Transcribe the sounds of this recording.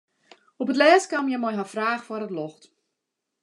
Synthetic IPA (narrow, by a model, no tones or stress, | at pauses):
ɔpətlɛːskamjɛmɔjɦafraːxfwɔrətlɔxt